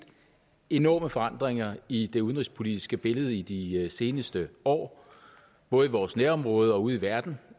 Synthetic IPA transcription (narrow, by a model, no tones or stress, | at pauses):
e̝nɒ̰ːməfɒ̽ɑ̈n̰d̥ʁeŋɐid̥e̝uð̞ˠənʁispʰo̝lid̥isɡ̥əb̥e̝ləð̞̩ˠəid̥ise̝ːnəsd̥əɒ̰ː | b̥ɔ̽ːð̞̩ˠʋɒːsneɐɒ̽mʁɔ̽ːð̞ˠəɒ̽uð̞̩ˠiʋæɐd̥n̩